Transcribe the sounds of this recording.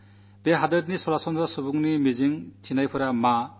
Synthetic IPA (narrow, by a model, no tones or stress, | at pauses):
beɦadəd̚nisɔɾasɔnʰɾasubuŋnimiziŋtʰinajpʰɯɾama